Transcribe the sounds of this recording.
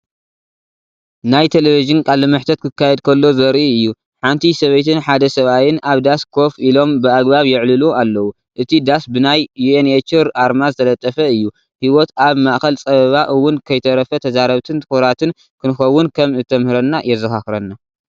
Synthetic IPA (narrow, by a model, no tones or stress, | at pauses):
najt̪ʰe̞leviʒɨnkʼalɨmɨħt̪ʰɐt̪̚kʰɨkːajɛd̪̚kʰɐlːo̞zɐɾʔiɨjːu | ħant̪ʰisɐβɐjt̪ʰɨnħad̪ɐsɐβajɪnaβd̪askʰo̞filo̞mbɨaɡbaβjɪʕlɨlualːɐwu | ʔɨt̪ʰid̪asbɨnajjuenet͡ʃɨɾaɾmazɨt̪ʰɐlɐt̪ʼːɐfɐɨjːu | hiwot̪aβmaʔxɐlt͡sʼɐβɐβaʔɨwːʊnkʰɐjt̪ʰɐɾɐfɐt̪ʰɐzaɾɐβt̪ʰɨnt̪ʰɨxuɾat̪ɨn | kʰɨnɨxɐwːʊnkʰɐmɨt̪ʰːɐmhɨɾɐnːajɛzɐxaxɨɾɐnːa